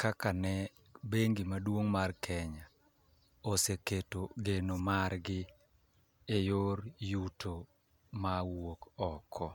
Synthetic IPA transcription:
kakanɛ | beŋɡimadwoŋmarkʰɛɲa | oseketoɡenomarɡɪ | ejoɾjutʰo | mawokɔkʰɔ

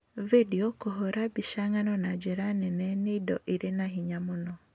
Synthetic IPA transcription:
vediɔkoɦoɾabiʃaŋanɔnad͡ʒɛɾanɛnɛneidɔʔiɾenaɦiɲamonɔ

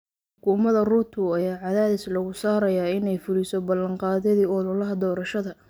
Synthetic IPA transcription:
ħħʊkʰʊːmɐðɐruːt̪ʰʊɐjaːʕɑðaːðɪslɐɣʊsaːɾɐjaːɪnɛjfʊlisɔbɐlːɐŋqɑːðɐðiːʊlʊlɐɦɐd̪ɔːɾɐʃɐðɐ

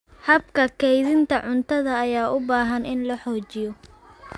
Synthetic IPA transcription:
hɐbkʰɐkʰɛjðɪnt̪ʰɐʕʊnt̪ʰɐðɐːjaːʔʊbaːɦɐnɪnlɐħɔːt͡ʃɪjɔ

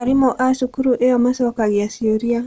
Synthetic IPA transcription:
aɾimɔʔasukuɾuʔɛɔmasɔakaɡiasioɾia

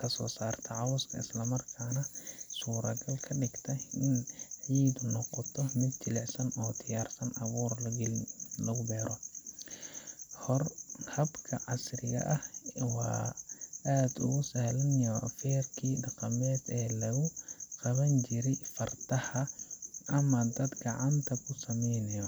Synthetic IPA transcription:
kʰɐsɔ̰ːsaːrt̪ʰɐʕɑwʊskʰɐ̰ɪ̰slɐmɐrkʰaːnɐsuːɾɐɡɐlkʰɐɖɪɡt̪ʰɐɪnʕiːd̪nɔqɔt̪ʰɔmɪd̪̚t͡ʃɪlɛʕsɐnɔːd̪ɪjaːrsɐnʔɐβuːr | lɐɣʊbɛːɾʔɔ | hrhɐbkʰɐʕɑsrɪɣɐ̰ʔɐhwɑː | aːd̪ʊ̰ɣʊsɐhlɐnjɔfɛːrkʰiːɖɑqɑmɛːd̪ɛːlɐɣʊqɑβɐnt͡ʃɪɾɛjfɐrt̪ʰɐhɐʔɐmɐd̪ɐd̪ɡɑʕɑnt̪ʰɐkʰʊsɐmɛjnɐjɔ

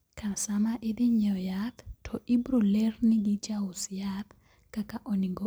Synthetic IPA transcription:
kʰasamaʔɪd̪iɲɔjat̪tʰɔʔibɾulɛrniɡid͡ʒaʊsjat̪ | kakaʔɔniɡɔ

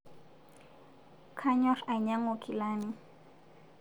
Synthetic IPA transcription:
kʰaɲoɾajɲaŋokʰɪlanɪ

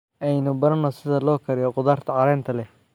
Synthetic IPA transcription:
ʔɛjnʊbɐɾɐnːɔsɪðɐlɔːkʰɐɾɪjɔqʊðaːrt̪ʰɐʕɑɾɛːnt̪ʰɐlɛ

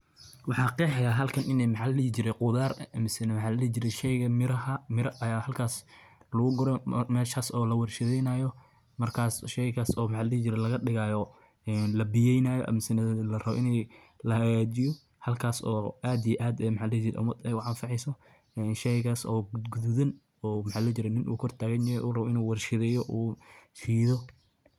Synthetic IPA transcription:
wɑħɑːqɛːħɛjaɦɐlkʰɐnʔɪnɛjmɑħɑlɛit͡ʃɪɾɛqʊðaːrɐmɪsɐnwħɑːlɐlɛt͡ʃɪɾɛʃɛjɣɐmɪɐɐmɪɾɐɐjaːhɐlkʰaːslɐɣʊɡɔɾɔmɛːʃaːsɔːlɐwɐrʃɐðɛjnaːjɔ | mɐrkʰaːsʃɛjɣaːsɔːmɑħɑliit͡ʃɪɾɛlɐɣɐɗɪɣaːjɔ | ɛːnlɐbɪjɛjnaːjɔ̰ʔɐ̰mɪsɪnɐðlɐrɐβɔ̰ʔɪnɛj | lɐhɐɣaːt͡ʃɪjɔ | hɐlkʰaːsɔːʔaːd̪ijʔaːd̪ɛmħaːlɛt͡ʃɪɾɛ̰ʔʊ̰mɐd̪ɛjʊʕɑnfɑʕɛjsɔ | ɛːnʃɛjɣaːsɔːɡ̪ɡuðuðɐn | ɔːmħaːlɛt͡ʃɪɾɛnɪnʔṵːkʰɔrt̪ʰaːɣɐnɐɛʔuːrɐβɔɪnuːwɑrʃɪðɛːjɔʔuːfiːðɔ

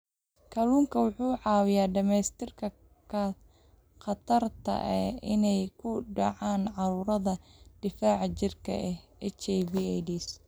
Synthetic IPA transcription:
kʰɐluːŋkʰɐwʊħuːʕɑːwɪjaːɖɐmɛːst̪ʰɪrkʰɐ | kʰɐ | qɑt̪ʰɐrt̪ʰɐ̰ʔɛɪnɛjkʰʊɖɑʕaːnʕɑɾuːɾɐðɐɖ̪̥ɪfaːʕt͡ʃɪrkʰɐ̰ɛ | ɛt͡ʃɛjbiːɛdiːs

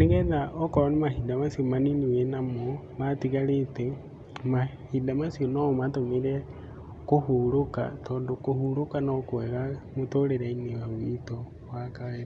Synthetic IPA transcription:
neɣɛnaʔɔkɔɾɔnemahidamasiomaniniwenamo | βatiɣaɾete | ma | hidamasionɔmatomeɾɛ | kohuɾoka̰tɔːndokohuɾokanɔkoɛɣamotoɾeɾainewawwitɔ | wakaeɾ

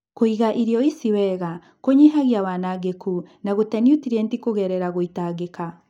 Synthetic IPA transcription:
koiɣaʔiɾjɔisiwɛɣa | koɲiɦaɣjawaːnaɣekʰunaɣotɛnijutiɾɛntikoɣɛɾɛɾaɣoitaɣeka

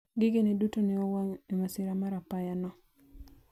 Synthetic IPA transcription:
ɡɪɡenedutonɪɔwaŋemasɪɾamaɾapajanɔ

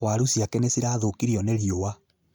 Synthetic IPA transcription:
waɾusiakɛnesiɾaːðokiɾiɔneɾiowa

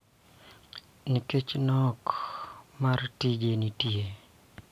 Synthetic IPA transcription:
niket͡ʃnɔk | martid͡ʒenitie

